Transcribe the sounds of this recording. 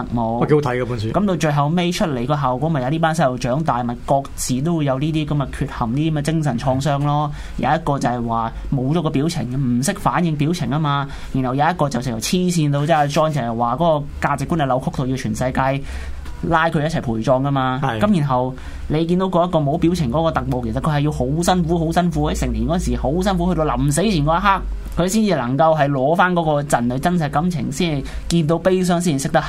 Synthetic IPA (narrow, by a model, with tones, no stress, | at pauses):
ɐ˨k̚mo˨˧wɔ˨ko˧˦t̪ʰɐ˨˦˥jka˧puː˨˧˥nsy˧kɐ˨˥mt̪o˧wt͡ʃɵ˧ɥɦɐ˨wme˥jt͡ʃʰɵ˥t̚le˨˩jkɔː˧ɦaː˨˩wkɔː˨˥m˨jɐ˨˧niː˥p̬aː˥nsɐ˥lo˨˩wt͡ʃœː˨˥ŋt̪aː˨jmɐ˨˩kɔː˧k̚t͡siː˨t̪o˥wu˨˧jɐ˨˧wniː˥t̪̬iː˥kɐ˨˧˥mɐ˧kʰyː˧t̚hɐ˨˩mniː˥i˥˧˦mɛː˧t͡sɪ˥ŋs̬ɐ˨˩nt͡ʃʰɔː˧ŋsœː˥ŋlɔː˥ | ja̰˨˧˦jɐ˥t̚kɔː˧t͡sɐ˨hɐ˨˩jwaː˨mo˨˧wt͡ʃɔː˨˥kɔː˧pi˨˥wt͡sʰɪ̰˨˩ŋm̩˨˩sɪ˥k̚faː˨˥njɪ˧ŋpiː˨˥wt͡sʰɪ˨˩ŋːɐ˥maː˧ | jy˨˩nhɐ˨˩wjaː˨˧˦jɐ˥t̚kɔː˧t͡sɐ˨˩wsɪ˨˩kʰjɐ˨˩wt͡sʰiː˥siː˧nt̪o˧wt͡sɛː˥a˧t͡ʃɔː˥ŋt͡sɐ˨whɐ˨˩jwaː˨˩kɔː˨˥kɔː˧kaː˧t͡sɪ˨kːu˥nle˨˩lɐ˨˧˥wkʰʊ˥k̚t̪o˨wji˧wt͡ʃʰyː˨˩nsɐ˧jkaː˧j | laː˥jkʰɵ˧jɐ˥t͡sʰɐ˨˩jpʰuː˨˩jt͡sɔː˧ŋkɐ˥maː˧kɐ˨˥mjy˨˩nɦɐ˨w | le˨˧jkiː˧nt̪o˧˥wkɔː˧jɐ˥t̚kɔː˧mo˨˥wpiː˨˥wt͡sʰɪ˨˩ŋkɔː˨˦˥kɔː˧t̪ɐ˨k̚mo˨˧ke˨˩sɐ˨t̚kʰɵ˧hɐ˨ji˧who˨˥wsɐ˥nfuː˨˥ho˨˥wsɐ˥nfuː˨˥hɐ˨˥jsɪ˨ŋt̪ʰi˨nkɔ˨˥˨nsiː˨˩ho˨˥wsɐ˥nfu˨˥hɵ˧t̪o˧wlɐ̰˨˩mse˨˥jt͡sʰiː˨˩nkɔː˨˧˥a˥ɦaː˥k̚ | kʰɵ˧ɥsiː˥nt͡siː˨˧lɐ˨˩ŋkɐ˧wɦɐ˨jlɔː˨˧faː˥nkɔː˨˥kɔː˧t͡sɐ˨nlɵ˨˧jt͡sɐ˥ns̬ɐ˧jkɐ˨˥mt͡sʰɪ̰˨˩ŋsiː˥nhɐ˨˩j | kiː˧nt̪̬o˨˥wpe˥js̬œː˥ŋs̬iː˥n˨˩sɪ˥k̚t̪ɐ˥